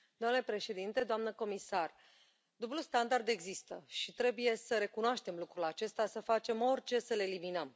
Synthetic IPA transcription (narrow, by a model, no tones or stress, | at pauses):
d̪oamnle̞pɾe̞ʃe̞d̪int̪e̞d̪oamnəko̞misar | d̪ublust̪and̪ard̪e̞ɡzist̪əʃit̪ɾe̞buje̞səɾe̞kunoaʃt̪e̞mlukɾulat͡ʃe̞st̪asəfat͡ʃe̞mo̞rʲt͡ʃe̞səle̞liminəm